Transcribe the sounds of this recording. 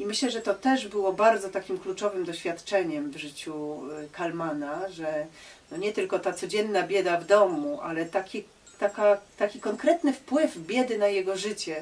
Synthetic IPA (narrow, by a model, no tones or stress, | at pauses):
imɘɕlɛʐɛt̪ɔt̪ɛʐbɘwɔbaɾd̪zɔt̪akʲimklut͡ʂɔvɘmd̪ɔɕfʲjat̪t͡ʂɛɲɛmvʐɘt͡ɕukalmanaʐɛnɔɲɛt̪ɘlkɔt̪at̪sɔd͡ʑɛnːabʲjɛd̪avd̪ɔmuʔa̰lɛt̪akʲi | t̪akat̪akʲikɔŋkɾɛt̪nɘfpwɘvbʲjɛd̪ɘnajɛɡɔʐɘt͡ɕɛ